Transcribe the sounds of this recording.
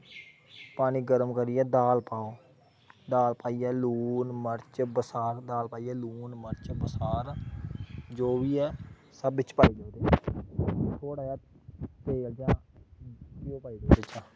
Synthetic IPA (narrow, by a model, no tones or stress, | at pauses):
paːniːɡəɾəmkəɾiːɛːd̪aːlpaːoː | d̪aːlpaːiːɛːluːnməɾt͡ʃbəsaːɾd̪aːlpaːiːɛːluːnməɾt͡ʃbəsaːɾ | d͡ʒoːʋiːɛː | səbɪt͡ʃpaːiːd̪oːd̪eː | t̪ʰoːɽaːjaːt̪ | t̪eːld͡ʒãː | kɪjoːpaːiːdoet͡ʃaː